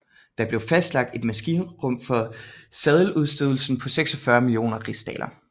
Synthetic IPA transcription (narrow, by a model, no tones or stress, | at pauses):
d̥ɑ̈b̥le̝ʊfæsd̥lɑ̈ɡ̥̚d̥e̝d̥mæsɡ̥iːnʁɔ̽m̰fɒ̽sɛð̞ˠluðˠsd̥øðˠl̩sn̩pʰɒ̽seɡ̥sɒ̽fɶɐmilio̝̰ːnɐʁisd̥ɛ̰ːlʔɐ